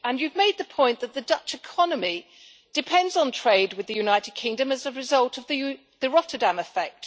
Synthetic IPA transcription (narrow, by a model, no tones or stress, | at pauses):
ə̃njʉvmeɪd̪̚ðəpʰɔ̃ɪ̃nðəʔ̪̚ðədʌt͡ʃɪkʰɒnəmi | d̥ɨpʰɛ̃ndzn̩tʰɹ̥eɪd̚wɨðɨjʉnaɪtɪd̚kʰɪ̃ŋdə̃məzəɹɪzʌlˠtʰʌvðə | ðəɹɒtədãmɪfɛk̚t